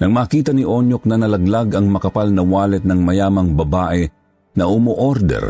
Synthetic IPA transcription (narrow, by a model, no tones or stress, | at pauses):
nɐŋmaːkiːt̪ɐnɪʔoɲjok̚nɐnɐlɐɡlaɡɐŋmɐkɐpalnɐwaːlɛt̪̚nɐŋmɐjaːmɐŋbɐbaːʔɛ | nɐʔʊmoʔoɾd̪ɛ̰ɾ